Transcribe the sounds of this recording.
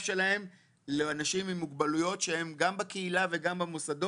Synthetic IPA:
ʃe̞lahe̞m | leanaʃimimːuɡbalujo̞tʃe̞he̞mɡambakeilave̞ɡambamosad̪o

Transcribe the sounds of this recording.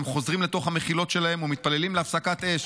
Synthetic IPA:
mχo̞zʁimle̞t̪o̞χhameχilo̞t̪ʃe̞lahe̞mumit̪̚palelimleafsakat̪e̞ʃ

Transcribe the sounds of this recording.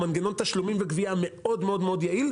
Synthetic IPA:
manɡeno̞nt̪aʃlumimvekviame̞o̞dmeo̞d̪meo̞d̪jail

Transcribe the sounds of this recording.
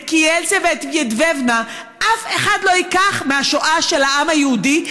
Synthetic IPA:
kielzevet̪jedvevna | ʔafe̞χadlo̞hikaχmeaʃoʔaʃelaʔamajehudi

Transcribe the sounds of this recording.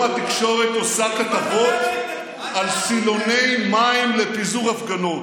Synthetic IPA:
at̪ikʃo̞ʁetosakat̪avo̞t̪ | alsilo̞ne̞jmaimlepizuʁafɡanot

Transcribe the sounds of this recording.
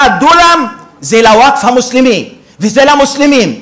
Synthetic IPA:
ad̪ulamzelawakfamuslimi | vizelamuslimin

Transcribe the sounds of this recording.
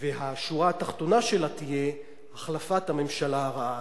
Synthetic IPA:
veɦaʃuʁaːt̪aχt̪o̞naʃe̞lat̪ije̞ | aχlafat̪hame̞mʃalaaʁaʔa

